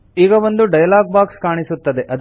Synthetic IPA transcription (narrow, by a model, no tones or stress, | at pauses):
iːɡɐʋo̞nd̪uɖɐjɐlaːɡ̚baːkskaːɳisut̪ːɐd̪e̞ʔɐd̪